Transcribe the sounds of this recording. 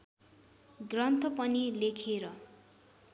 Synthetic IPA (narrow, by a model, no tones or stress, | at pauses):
ɡrʌnt̪ʰʌpʌnilekʰeɾʌ